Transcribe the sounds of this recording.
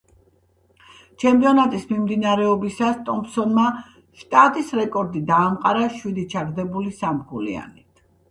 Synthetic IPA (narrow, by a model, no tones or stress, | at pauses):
t͡ʃʰɛmpʼiɔnat̪ʼismimd̪inaɾɛɔbisast̪ʼɔmpsɔnma | ʃt̪ʼat̪ʼisɾɛkʼɔɾd̪id̪aːmqʼaɾaʃwid̪it͡ʃʰaɾd̪ɛbulisamɡulḭa̰nit̪ʰ